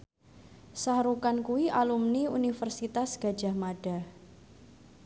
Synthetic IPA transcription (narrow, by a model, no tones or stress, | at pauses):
sahɾukankuwiʔalumniunifərsit̪asɡ̥a̤̥d͡ʒ̥a̤hmaɖ̥a̤